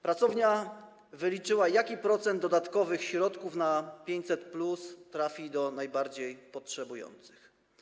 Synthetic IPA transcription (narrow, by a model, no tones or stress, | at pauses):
pɾat̪sɔvɲa | vɘlʲit͡ʂɘwajakʲipɾɔt̪sɛnd̪ːɔd̪at̪kɔvɘxɕɾɔt̪kufnapʲjeɲt͡ɕʲsɛt̪plust̪ɾafʲid̪ɔnajbaɾd͡ʑejpɔtʂɛbujɔ̰nt̪sɘ̥x